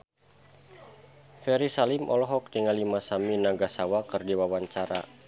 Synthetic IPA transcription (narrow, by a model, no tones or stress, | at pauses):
fɛɾisalɪmʔɔ̰lɔɦɔk̚tiŋalimasaminaɡasawakɨrdiwawaɲt͡ʃaɾa̰